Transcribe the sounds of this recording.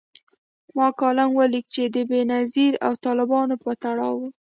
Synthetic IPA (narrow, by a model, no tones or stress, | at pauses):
mɑkɑlamwəlik̚t͡ʃed̪əbenaziɾa̰wt̪ɑlɪbɑnopət̪aɽɑwu